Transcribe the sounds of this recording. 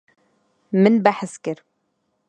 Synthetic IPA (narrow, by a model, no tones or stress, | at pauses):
mɪnbaħɪskɪɾ